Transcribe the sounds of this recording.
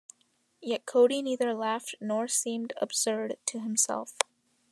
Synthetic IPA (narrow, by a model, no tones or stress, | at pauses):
jɛt̚kʰoʊɾiniðə˞læftnɔɹsĩmdə̰b̥sɜ˞dtʰɨɨ̃msɛ̰lˠf